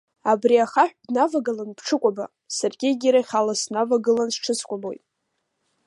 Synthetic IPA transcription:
abriaχaħʷᶣdnavaɡalanpʰʈ͡ʂʰɨkʷʼaba̰ | sarɡʲɪɡʲiɾaχʲalasnavaɡɨlansʈ͡ʂʰɨskʷʼabo̞jtʼ

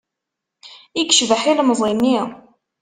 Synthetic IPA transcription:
iɡʃvəħilməzˤinːi

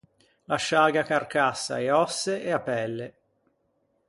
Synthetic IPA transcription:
laʃːaːɡakarkasːa̰eɔsːeeapɛlːe

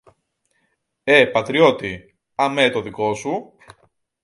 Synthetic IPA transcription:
e̞pɐt̪ɾio̞t̪i | ɐmet̪o̞ðiko̞su

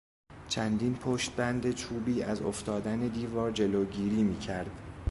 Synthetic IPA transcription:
t͡ʃʰænd̪iːnpʰoʃt̪̚bænd̪e̞t͡ʃʰuːbiːʔæzo̰ft̪ɒːd̪æne̞d̪iːvɒːɾd͡ʒe̞loɟiːɾiːmiːcʰæɾd̪̥

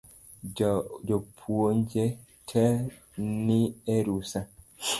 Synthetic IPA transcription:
d͡ʒɔpʰuond͡ʒe | tʰɛ | nieɾusa

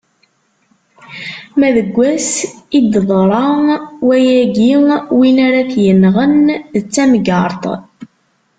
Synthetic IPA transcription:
mæðəɡʷːæsid̪ðˤɾˤɑwæjæɡiwinaɾaθjənːʁənðət͡sːæmɡɑɾˤt̪ˤ

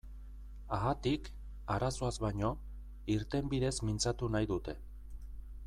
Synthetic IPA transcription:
aɣat̪ik | aɾaso̞azβaɲo̞ | iɾt̪e̞mbiðe̞zmint͡sat̪unajðut̪e̞

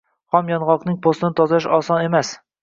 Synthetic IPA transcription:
hamjɒnʁɑlqnɪŋpʰost̪ɪnɪt̪ʰɒzɪʃɒsɒnemæs

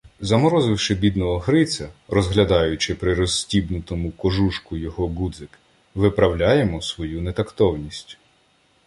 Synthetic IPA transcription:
zɐmɔɾɔzɪwʃɪbʲid̪nɔɦɔɦɾɪt͡sʲɐɾɔzɦlʲɐd̪ɑjʊt͡ʃɪpɾɪɾɔsʲːtʲibnʊt̪ɔmʊkɔʒuʃkʊjɔɦɔɡud̪zɪk | ʋɪpɾɐwlʲajemɔsʋɔjunet̪ɐkt̪ɔwnʲisʲtʲ

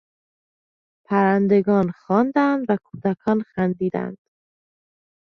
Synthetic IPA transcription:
pʰæɾænd̪eɡɒːnxɒːnd̪ænd̪vækʰuːd̪ækʰɒːnxænd̪iːd̪æ̰nd̪̥

